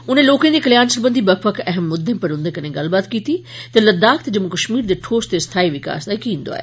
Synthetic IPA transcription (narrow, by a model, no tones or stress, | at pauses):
ʊn̤ẽloːkẽd̪eːkɐlijaːnsəlbənd̪ibɐkfəkʰɛɦəmːʊd̪ʱːẽpɐɾɦʊ̃nd̪ekɐnẽɡaːlbaːt̪kiːt̪i | t̪ɐlɐd̪aːkt̪d͡ʑɐmkɐʃmiːɾd̪eʈʰoːst̪est̪ʰaːiʋɪka̰ːsd̪aːikĩːnd̪o̰a̰ːɦḛː